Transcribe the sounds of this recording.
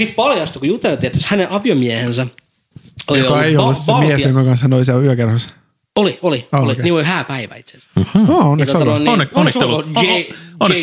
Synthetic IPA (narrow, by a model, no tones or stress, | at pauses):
sit̪pɑljɑst̪kujut̪elt̪iet̪ːæshæneʔɑʋiomiæhensæ | ojliojkɑeiollːussit̪ːmiesjoŋkɑkɑnshænolisiæyækerhos | oliolioliniːolhæːpæiʋæ̰it̪sens̩ɑːonːet̪oot̪ɑonːnːonːsoeon